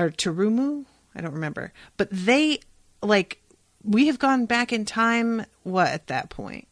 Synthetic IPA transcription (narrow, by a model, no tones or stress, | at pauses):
ə˞tʰɨɹʉmu | aɪɾõʊ̃nt̚ɹɨmɛ̃mbə̰˞b̥ʌt̪̚ðeɪ | laɪk | wiɨvɡɔ̃nbækɨ̃ntʰãɪ̃m | wʌɾɨ̰t̪̚ðɨ̰t̚pʰɔ̰̃ɪ̃nt̚